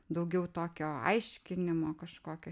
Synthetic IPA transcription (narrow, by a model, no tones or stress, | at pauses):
d̪ɐʊɡʲɛʊt̪oːkʲoːɐ̰ɪʃʲkʲɪnʲɪmoːkɐʃkoːkʲoː